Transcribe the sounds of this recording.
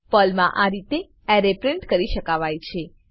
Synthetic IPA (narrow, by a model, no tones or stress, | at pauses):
pəlmãʔaɾit̪e | ɛɾepɾẽɳʈkəɾiʃəkaʋajt͡ʃʰe